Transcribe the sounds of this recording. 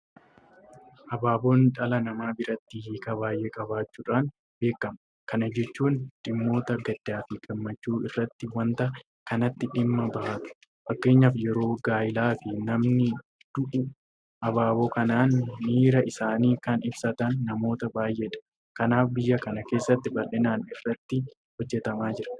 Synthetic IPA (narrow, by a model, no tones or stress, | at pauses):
ʔɐbaːbo̞ːnᶑɐlɐnɐmaːbɪɾɐt̪ːɪhiːkɐbaːjʔeːkʼɐbaːt͡ʃːuːᶑaːn | be̞ːkːɐm | kɐnɐd͡ʒɛt͡ʃːuːnᶑɪmːo̞ːt̪ɐɡɐd̪aːfɪkʼɪmːɐt͡ʃːuːɪrːɐt̪ːɪwɐnt̪ɐ | kɐnɐt̪ːɪᶑɪmːɐbɐʔɐt̪ʊ̥ | fɐkːe̞ːɲːaːfjɛɾo̞ːɡaːjɪlaːfɪnɐmnɪ | d̪̥ʊʔʊ | ʔɐbaːboːkɐnaːnːiːɾɐɪsaːniːkɐnɪbsɐt̪ɐnːɐmo̞ːt̪ɐbaːjʔeːᶑɐ̥ | kɐnaːfbɪjːɐkɐnɐke̞ːsːɐt̪ːɪbɐlːɛnaːnɪrːɐt̪ːɪ | hɔd͡ʒːɛt̪ɐmaːd͡ʒɪɾɐ̥